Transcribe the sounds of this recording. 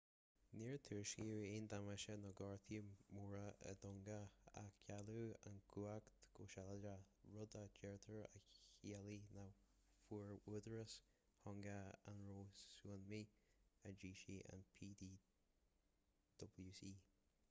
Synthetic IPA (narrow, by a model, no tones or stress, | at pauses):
niːɹt̪ʰiɹʃiɪnd̪aməʃənɔɡɑɹt̪ʰimuɹəə̰d̪ɔŋɡəa̰kʰaluːa̰nɡuakt̪ɡ̥oːʃaləd͡ʒa | ɹʊd̪əd͡ʒɛɹt̪ʰəɹa̰iəlina | fuɹwud̪əɹəs | hɔŋɡəanɹoːsuənmiəd͡ʒiːʃiʔa̰npʰiːd̪iː | d̪̥ɔbljuːsiː